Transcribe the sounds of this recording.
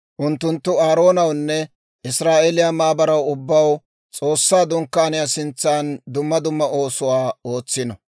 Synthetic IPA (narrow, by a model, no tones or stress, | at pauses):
ʔʊnt̪ːʊnt̪ːʊaːɾo̞ːnɐwnːɛ | ʔɪsɾaːʔelɪjamaːbɐɾɐwʊbːɐw | t͡sʼo̞ːsːaːd̪ʊŋkːaːnɪjasɪnt͡sːaːnd̪ʊmːɐd̪ʊmːɐʔo̞ːsʊwaːo̞ːt͡sːɪnɔ